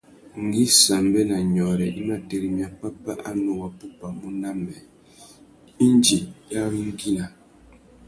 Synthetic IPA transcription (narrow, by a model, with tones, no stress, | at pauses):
ŋ̩˨ɡi˦sa˨mbɛ˦na˨ɲɔ˨ɾɛ˨i˦ma˦tɛ˨ɾi˦mja˨pa˦pa˦ʔa˦nu˨wa˨pu˦pa˨mu˦na˦mɛ˨ | i˦nd͡ʒi˨ja˦ŋ˦ɡi˦na˨